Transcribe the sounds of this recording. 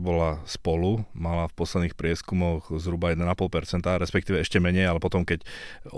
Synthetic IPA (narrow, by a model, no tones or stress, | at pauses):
bɔlaspɔlumalafpɔslɛd̪niːxpɾɪɛskumɔɣzɦɾubajɛd̪ɛnapɔlpɛɾt͡sɛnt̪aɾɛspɛkt̪iːʋɛɛʃcɛmɛɲɛjalɛpɔt̪ɔmkɛc